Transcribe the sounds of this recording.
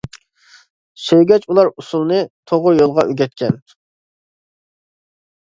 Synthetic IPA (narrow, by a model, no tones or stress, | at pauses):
søjɡʲɛt͡ʃʰulˠɑɾusulˠnɨt̪ʰoʁʊɾjolˠʁɑʔøɡʲɛt̪̚kʲʰɛn